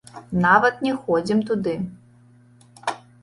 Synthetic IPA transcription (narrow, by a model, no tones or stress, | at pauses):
navɐt̪nʲɛxɔd͡zʲimt̪ud̪ɨ